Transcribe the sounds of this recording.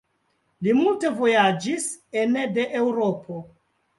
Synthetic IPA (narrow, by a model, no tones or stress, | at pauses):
limulte̞vo̞jad͡ʒisende̞ʔewɾopʰo